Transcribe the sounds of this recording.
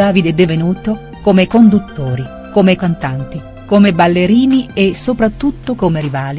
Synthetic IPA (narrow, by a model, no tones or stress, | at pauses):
aːvid̪ɛd̪ːevenuːt̪o | komekond̪ut̪ːoːɾi | komekant̪ant̪i | komebalːeɾiːniesːopɾat̪ːut̪ːokomeɾivaːli